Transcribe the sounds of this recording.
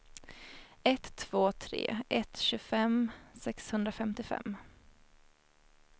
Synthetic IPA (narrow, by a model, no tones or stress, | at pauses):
ɛt̪ʰːv̥oːt̪ʰɾḛːʔɛt̪ɕɵfɛmsɛkshɵnd̪ɾafɛmt̪ɪfɛ̰mː